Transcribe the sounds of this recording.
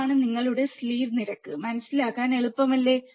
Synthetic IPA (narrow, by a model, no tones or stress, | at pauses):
ɳɨniŋːɐɭuɽe̞sliːrniɾɐkːɨmɐnɐsːilaɣaːne̞ɭupːɐmɐlːe̞